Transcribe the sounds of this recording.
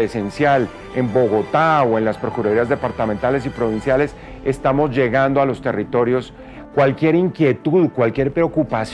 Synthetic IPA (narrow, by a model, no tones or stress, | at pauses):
ese̞nsjal | e̞mbo̞ɣo̞t̪aoe̞nlaspɾo̞kuɾaɾiazd̪e̞paɾt̪ament̪ale̞s̬ipɾo̞β̞insjale̞s | e̞st̪amo̞zd͡ʒe̞ɣand̪oalo̞st̪e̞rit̪o̞ɾjo̞s | kwalkje̞ɾiŋkje̞t̪uðkwalkje̞ɾpɾe̞okupas